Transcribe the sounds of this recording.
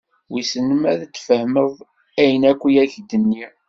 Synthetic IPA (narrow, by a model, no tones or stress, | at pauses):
wisənəmæðət͡sːfəhməðˤ | æjənækʷːijæçd̪ənːi